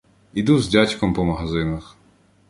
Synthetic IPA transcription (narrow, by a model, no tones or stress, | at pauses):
id̪uzdʲatʲkɔmpɔmɐɦɐzɪnɐx